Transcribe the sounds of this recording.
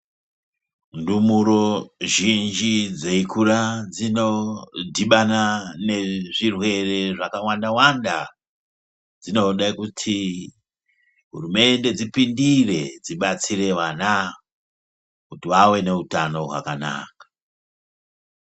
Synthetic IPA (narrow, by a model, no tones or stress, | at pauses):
ndumuɾo̞ʒind͡ʒid͡zeikurad͡zinodʱiɓanane̞ʐirwe̞re̞ʐakawandawanda | d͡zino̞ɗakutʰi | ɦṵrume̞nde̞d͡zipindire̞d͡ziɓat͡sire̞ʋana | kutiʋawe̞ne̞utano̞ɦwa̰kana̰ːkḁ